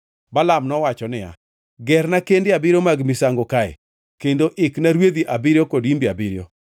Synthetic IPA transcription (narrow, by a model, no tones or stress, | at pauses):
balamnɔwat͡ʃɔnɪja̰ | ɡɛɾnakendɪabɪɾomaɡmɪsaŋɡokaɛ̰ | kendoʔɪknaɾwed̪iʔabiɾjokodimbiabiɾjo̰